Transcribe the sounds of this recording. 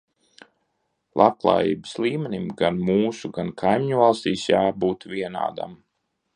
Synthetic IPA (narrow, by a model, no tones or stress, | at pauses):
lˠʔap̚klˠa̰ːjḭːbəslˠiːmɛnʲimɡanmuːsuɡankʰajmʲiɲuvalˠst̪iːsjaːbuːt̪vʲiɛna̰ːd̪a̰m